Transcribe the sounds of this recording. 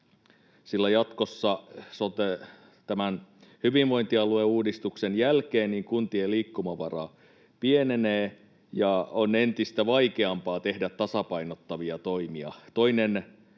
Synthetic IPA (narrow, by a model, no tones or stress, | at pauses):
silːæjɑt̪ko̞sːɑsot̪e | t̪æmænhyʋiʋʋo̞int̪iɑlueuːdist̪uksenjælkeːnniŋkunt̪ieliːkːumɑʋɑrɑ̰ | pieneneː | jɑone̞nt̪ist̪æʋɑikeɑmpɑːt̪e̞hdæt̪tːɑsɑpɑinot̪ːɑʋiɑt̪oimiɑ̰t̪o̞inen